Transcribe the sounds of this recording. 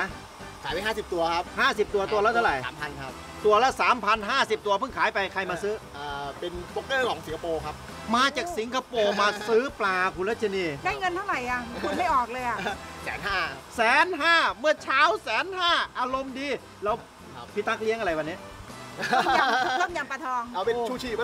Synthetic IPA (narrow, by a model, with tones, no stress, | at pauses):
a˧˥ | kʰaː˩˦jwa˧jhaː˥˩si˨˩p̚t̪u˧ɐkʰa˦˥p̚haː˥˩si˨˩p̚t̪u˧ɐt̪u˧ɐlɛː˦˥˩t̪ʰwɾa˨˩ja̰ː˨˩˦mpʰa˧nkʰa˦˥p̚ | t̪u˧ɐlɛ˦˥saː˩˦mpʰa˧nɦaː˥˩si˨˩p̚t̪u˧ɐpʰɯ˥˩ŋkʰaː˩˦jpa˧jkʰa˧jmaː˧sɯː˦˥ʔaː˨˩pe˧nfo˦˥k̚lɤː˥˩kʰɔː˨˩˦ŋsi˩˦ŋka˧poː˧kʰa˦˥p̚ | maː˧t͡ɕaː˨˩k̚si˩˦ŋkʰa˧poː˧maː˧sɯː˦˥plaː˧kʰu˧nla˦˥t͡ɕʰa˧niː˧˩daː˥˩jŋɤ˧nt̪ʰa˥˩wɾa˨˩jʔa˨˩u˧nma˥˩jʔɔː˨˩k̚lɤː˧jʔa˨˩sɛ̰ː˩˦nɦaː˥˩sɛː˨˦nɦaː˥˩mɯ˥˩ɐt͡ɕʰaː˦˥wsɛː˨˦nhaː˥˩ʔaː˧ɾo˧mdiː˧ | lɛ˦˥˩w | pʰi˦˥t̪ːa˦˥k̚li˦˥əŋa˧ɾa˧jwaː˧nːi˦˥˩ | a˧t̪ɔː˥˩ŋja˧mpa˧t̪ʰɔː˧ŋʔa˧wpe˧t͡ɕʰuː˥˩t͡ɕʰiː˧˩˥